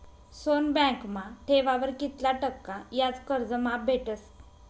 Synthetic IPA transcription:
sonbɛ̃kmaʈʰeʋaʋəɾkit̪laʈəkːajat͡skəɾd͡zəmap̚bʱeʈəs

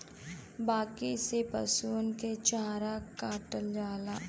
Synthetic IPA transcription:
baːkisepəsuːnket͡ʃaːɾakaːʈəld͡ʒaːlaː

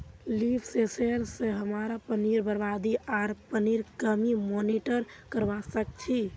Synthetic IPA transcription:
lipʰseseɾsẽɦəmaɾapəniɾbəɾbad̪iaɾpəniɾkəmimoniʈəɾkəɾʋasək̚t͡ʃʰi

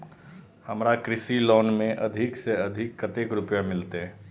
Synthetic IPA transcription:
həmɾakɾɪsiloːnmẽʔɐd̪ʱɪkseɐd̪ʱɪkːət̪ekɾʊpjamɪlt̪eɦ

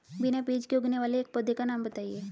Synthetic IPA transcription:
bɪnabeːd͡ʒkjoːɡneʋaːleːk̚pəd̪ʱːekanaːmbɐt̪aːieː

